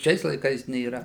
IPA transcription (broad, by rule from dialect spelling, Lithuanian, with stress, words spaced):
ˈʃʲɛɪs lˠɐɪˈkɐɪs nʲeːˈrɐ